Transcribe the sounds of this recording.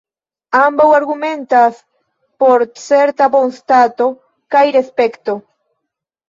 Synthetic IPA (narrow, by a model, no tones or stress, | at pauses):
ambawaɾɣumẽnt̪as | poɾseɾt̪abonst̪at̪o | kajɾespekt̪o